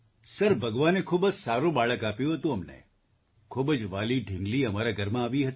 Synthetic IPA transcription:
səɾbʱəɡʋanekʰubəd͡ʒsaɾũbaɭəkapjũɦət̪ũəmnḛ | kʰubd͡ʒʋaliɖʱɪ̃ŋɡliəmaɾaɡʱəɾmãaʋiɦət̪i

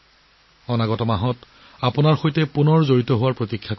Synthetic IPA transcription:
ɔnaɡɔtɔmaɦɔt | apʊnaɹxojtɛpunɔɹzoɹitɔɦʊwaɹpɹotikʰːak

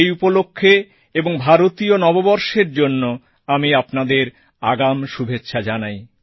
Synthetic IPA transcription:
ejupolokʰːe | eboŋbʱaɾot̪ionɔbobɔɾʃeɾd͡ʑonːo | amiapnad̪eɾ | aɡamʃubʱetːɕʰad͡ʑanaj

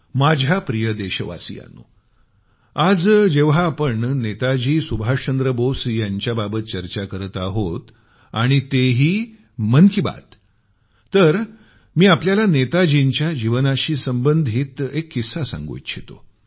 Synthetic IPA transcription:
mad͡ʑʱapɾijəd̪eɕəʋa̰sḭja̰no̰ | ad͡zd͡ʑeʋɦaːpəɳnet̪ad͡ʑiːsubʱat͡ɕənd̪ɾəbosjaɲt͡ɕjababət̪̚t͡ɕəɾt͡ɕakəɾt̪aɦot̪ | a̰ɽ̃it̪eɦiː | mənkʰiba̰t̪ː | əɾ | miːapljalanet̪ad͡ʑiɲt͡ɕjad͡ʑiʋənaɕiːsəmbənd̪ʱiːt̪ekːisasã̰ŋɡo̰jt̪ɕʰet̪o

